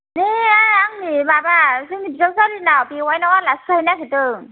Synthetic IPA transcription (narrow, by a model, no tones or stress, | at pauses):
neajaŋnibabasɯŋnibisawsalinabiwajnawalaskʰajnaketɯ